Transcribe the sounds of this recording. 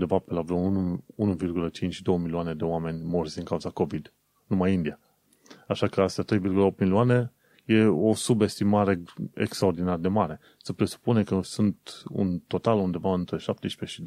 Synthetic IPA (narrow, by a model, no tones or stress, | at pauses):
und̪evapelavɾounuunuvirɡulət͡ʃint͡ʃʲʃid̪o̞wəmilioane̞d̪e̞oame̞nʲmo̞rzʲɨŋkauzako̞vid̪ | numajind̪ia | aʃakəast̪at̪ɾe̞jvirɡuləo̞p̚t̪miliuane̞ | je̞o̞sube̞st̪imaɾe̞ḛkst̪ɾao̞rd̪inard̪e̞maɾe̞ | səpɾe̞su̥pune̞kəsunt̪ṵnt̪o̞t̪alund̪e̞vaɨnt̪ɾe̞ʃap̚t̪eʃi̥peʃid̪